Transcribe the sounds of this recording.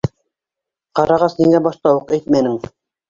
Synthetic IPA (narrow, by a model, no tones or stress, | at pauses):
qɑɾɑʁɑsniŋæbɑʃt̪ɑwuqæjt̪mænɘŋ